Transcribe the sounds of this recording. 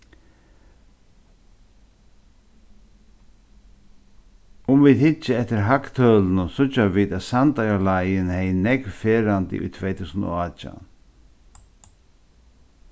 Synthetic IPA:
ʊmviːðhɪt͡ʃːəɛft̪ɪɾɦakt̪ʰœːlnʊsʊt͡ʃːaviːd̪æt̪sant̪ajalajɪnhɛjnɛkfeːɾant̪ɪ̰ʔʊ̰jt̪ʰvɛːjt̪ʰuːsəno̰aːt͡ʃa̰n

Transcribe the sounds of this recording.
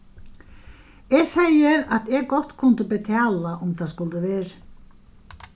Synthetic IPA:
ɛɣsɛjɪɾat̪ɛɣkɔht̪kʰʊnt̪ɪpɪt̪ʰaːlaʊmθʰaðskʊlt̪ɪʋɛːɾ

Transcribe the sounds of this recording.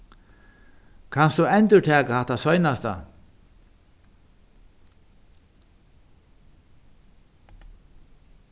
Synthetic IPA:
kʰanst̪uɛnt̪ʏʈ̪ʰɛːkahaht̪asɔjnast̪a̰

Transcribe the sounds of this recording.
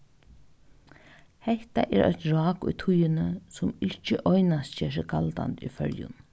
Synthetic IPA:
hɛht̪aʔɛːɾʔœ̰çt̪ɹɑːkʊ̰jt̪ʰʊjɪnəsʊmɪht͡ʃəʔɔjnast̪cɛːʂ̬ɪɡalt̪a̰nt̪ʊjfœɾjʊ̰n

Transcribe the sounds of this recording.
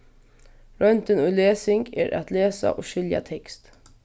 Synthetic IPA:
ɾœnt̪ənʊjleːsɪŋɡɛ̰ːɾʔa̰t̪leːsa̰ʔoːʃɪlja̰t̪ʰɛkst̪

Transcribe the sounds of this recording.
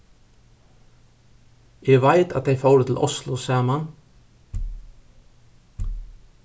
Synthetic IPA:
jɛvaɪt̪a̰t̪̚ejfoːwɾʏt̪ʰɪlʔɔslʊsɑːəman

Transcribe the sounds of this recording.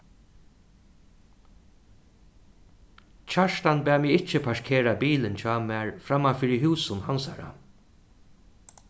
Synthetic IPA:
t͡ʃʰaʂt̪anbæːmɪːɪt͡ʃːəpʰaʂkʰeːɾabiːlɪnt͡ɕʰɑːmæːɹfɾamːafiːɾɪɦuːsʊnhansaɾa̰

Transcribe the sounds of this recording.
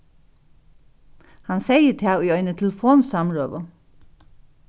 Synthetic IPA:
hɑnseɪət̪ʰɪɑʊiːœʏnət̪ʰɪlfoːnsɑmɾøːʋə

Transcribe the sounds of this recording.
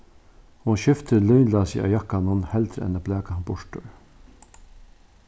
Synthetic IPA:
hʊnʃʏft̪ʰəlɔjnlasɪ̰a̰ːjakːanhʊnhɛlt̪ɾɛ̰nːablæːkanbʊʂʈʊɹ

